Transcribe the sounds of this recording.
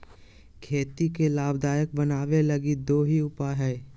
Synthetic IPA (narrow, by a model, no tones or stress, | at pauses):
kʰeːt̪ikelaːbd̪aːjək̚bənaːʋelɐɡid̪oːɦiʊpaɦɛː